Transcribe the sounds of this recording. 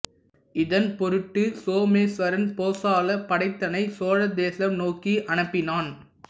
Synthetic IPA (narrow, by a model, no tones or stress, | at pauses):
ɪðɐnpɔɾɯʈːɯsoːmeːsʋɐɾɐnpoːsaːlɐpɐɽɐɪt̪ːɐnɐɪsoːɻɐd̪eːsɐmnoːkiʔɐnɐpːɪnaːn